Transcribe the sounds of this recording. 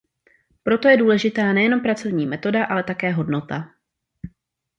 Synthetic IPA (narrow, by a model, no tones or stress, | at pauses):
pɾo̞t̪o̞jɛduːlɛʒɪt̪aːnɛjɛno̞mpɾat͡so̞vɲiːmɛt̪o̞daʔalɛt̪akɛːɦo̞dno̞t̪a